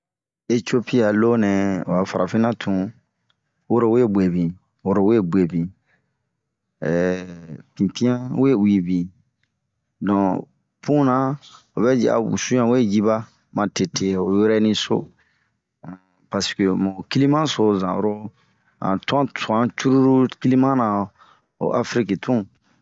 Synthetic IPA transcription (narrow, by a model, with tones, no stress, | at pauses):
e˦tio˦pi˦a˨lo˦nɛ̃˨o˨a˨fa̰˨ɾa˨fĩ˦nã˦tʰũ˨ | wo˦ɾo˦we˦be˨bĩ˨ | wo˦ɾo˦we˦bwe˨bĩ˨ | pĩ˨pĩ˦ã˦we˦u˨i˨bĩ˨ | dɔ̃˨ | pũ˦nã˦ | o˨bɛ˦d͡ʒɛ̰˨a̰˨ṵ˨sũ˦jã˨we˦d͡ʒi˦ba˦ | mã˨te˨tʰe˨o˨je˦ɾɛ˦nĩ˦so̰˦ | pa˨skø˨mo˨ki˦li˦mã˦so˨˦zã̰˨o̰ɾo˦ | ã̰˨tã˦tu˨ã˦t͡ʃu˦ɾu˦ɾu˦ki˦li˦mã˦nã˨ | o̰˨ʔa˨fɾi˦ki˨tʰũ˦